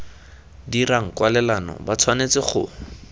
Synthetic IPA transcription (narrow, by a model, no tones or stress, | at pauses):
diraŋ̩kwalɛlanɔ̰bat͡sʰwanet͡sɪχʊ̰